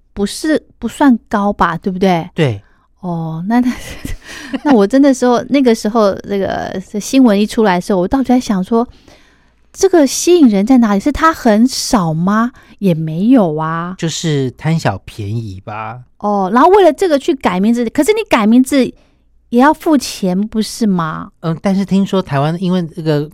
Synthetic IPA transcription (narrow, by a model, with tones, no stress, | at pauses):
pu˧˥ʂɻ̩˥˩pu˧˥swa˥˩nkɑ˥ʊbɐ˨t̪we˥˩bu˩t̪we˥˩ɪt̪we˥˩ɪ | ɔ˥˩na˥˧na˥˩ | na˥˩wɔ˨˩ʈ͡ʂə˥nd̪ə˨ʂɻ̩˧˥xo˧ʊna˥˩ɡə˩ʂɻ̩˧˥xo˥˧ʊnɤ˥˩ɡə̰˩˥˩ɕi˥ŋwə˧˥ni˥˩ʈ͡ʂʰu˥la˧˥ɪʂ̩˧˥˩ɔ˨˩t̪ɑ˥ʊ˩i˥˧˥ɪɕjɑ˨˩ŋʂwɔ˥ | ʈ͡ʂɤ˥˩ɡə˩ɕi˥i˨˩ŋɻə˧˥nt͡sa˥˩ɪna˧˥li˨˩ʂɻ̩˥˩t̪ʰa˥xə˧˥nʂɑ˨˩ʊmɐ˦ | jɛ˨˩me˧˥ɪjo˨˩ʊɐ˦t͡ɕjo˥˧ʊʂɻ̩˥˩t̪ʰa˥nɕjɑ˨˩ʊpʰjɛ˧˥ni˨˩bɐ˩ʔɔ˥˩na˧˥nxo˥˧we˥˩ɪlə˩ʈ͡ʂɤ˥˩ɡə˩t͡ɕʰy˥˩ka˨˩ɪmi˧˥ŋt͡sɹ̩˧˩i˨˩kʰɤ˩ʂɻ̩˥˩ni˧˥ka˨˩ɪmi˧˥nd͡zɹ̩˧˩ | jɛ˨˩jɑ˥˧ʊfu˥˩t͡ɕʰjɛ˧˥npu˧˥ʂɻ̩˥˩mɐ̰˩ə˥˩t̪nʂɻ̩˥˩t̪ʰi˥ŋʂwɔ˥t̪ʰa˧˥ɪwa˥ni˥nwe˥˧ɪna˥˩ɡə˩